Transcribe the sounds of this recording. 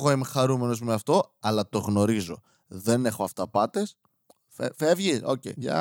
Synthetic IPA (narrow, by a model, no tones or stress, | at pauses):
ɣoemxɐɾume̞nozmeɐft̪o̞ɐlɐt̪o̞ɣno̞ɾizo̞̰ | ðe̞ne̞xo̞ɐft̪ɐpɐt̪e̞s | fe̞vʝiso̰cḛɐ̰